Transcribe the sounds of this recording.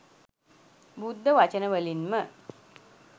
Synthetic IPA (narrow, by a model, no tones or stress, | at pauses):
bud̪ʱːəʋat͡ɕənəʋəlinmə